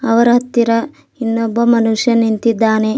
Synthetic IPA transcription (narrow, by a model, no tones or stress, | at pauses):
ɐʋɐɾɐɦɐt̪ːiɾɐ | inːobːɐmɐnuʂjɐnint̪id̪ːaːne